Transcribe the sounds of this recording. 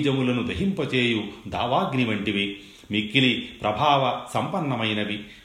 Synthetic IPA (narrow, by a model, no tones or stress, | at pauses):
d͡ʒɐmulɐnud̪ɐɦimpɐt͡ʃeːjud̪a̰ːʋaːɡniʋɐɳʈiʋi | mikːilipɾʔɐbʱaːʋɐsɐmpɐnːɐmɐjnɐʋi